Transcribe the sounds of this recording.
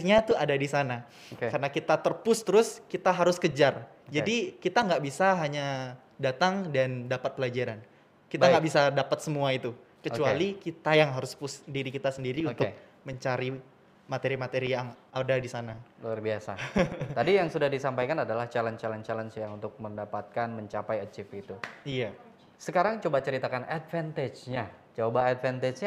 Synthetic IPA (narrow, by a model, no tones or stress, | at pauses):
ɲat̪uadadisana | kkaɾənakit̪at̪ərpʊst̪əɾʊskit̪aɦaɾʊskəd͡ʒar | d͡ʒadikit̪aŋɡaʔbisaɦaɲa | dat̪aŋdandapat̪̚pəlad͡ʒaɾan | kit̪aɡaʔbisadapat̪səmuait̪u | kət͡ʃualikit̪ajaŋɦaɾʊspʊsdiɾikit̪asəndiɾiut̪ʊk̚ | məɲt͡ʃaɾi | mat̪eɾimat̪eɾijaŋadadisanaluarbiasat̪adijaŋsudahdisampajkanadalaht͡ʃalənt͡ʃalɔnt͡ʃalənt͡ʃjaŋunt̪ʊk̚məndapat̪̚kanməɲt͡ʃapajət͡ʃɪfit̪uija | səkaɾaŋt͡ʃobat͡ʃəɾit̪akanat̪̚fɛnt̪ed͡ʒɲat͡ʃabaːt̪fɛnt̪ed͡ʒ